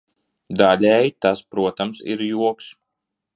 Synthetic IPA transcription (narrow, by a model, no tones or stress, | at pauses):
d̪alʲɛjt̪aspɾuɔt̪amsḭɾjuɔks